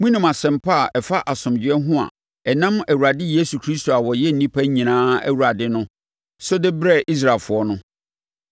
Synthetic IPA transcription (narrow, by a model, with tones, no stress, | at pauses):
mũ˦nʊ̃˨ma˨sɛ̃˨m̩pʰa˦˨ʔɛ˨fa˦ʔa˨sʊ̃˨md͡ʑɪ˨˦ɛ˦ɦʊ̃˦a̰˨ | ɛ˨nã˦mæ˨wu˨ɾa˨dɪ˦je˦su˨kʰɾi˦sto˨a˨wɔ˨jɛ˦n̩˨nĩ˦pʰa˦ɲĩ˨nãː˦æ̰˦wu˨a˨dɪ˦nʊ̃˦ | sʊ˦dɪ˦bɾɛ˦˨ʔi˦s̬ɾa˨lfʊ˨ɔ˦nʊ̃˦